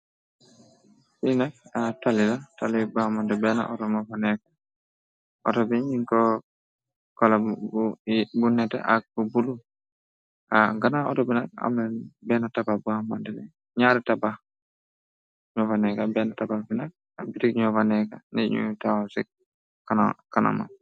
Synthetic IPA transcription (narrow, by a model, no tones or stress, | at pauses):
finak̚atalilatalibamandɛbɛna̰ʔɔtɔmɔvanɛkḁ | ɔtɔbiɲiŋkɔ | kɔla | bunɛtɛ̰ʔak̚bubulu | aɡanaɔtɔbinak̚a̰mɛbɛnatababuamandɛnɛ | ɲaɾɛtaba | ɲɔvanɛkabɛnatabafinak̚ | abitikɲɔvanɛka̰nḭɲṵtawasik̚ | kanakana̰ma̰